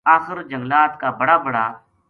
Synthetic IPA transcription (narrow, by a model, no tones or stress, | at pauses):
aːxɪɾd͡ʒə̃ŋɡlaːt̪kaːbəɽaːbəɽa̰ː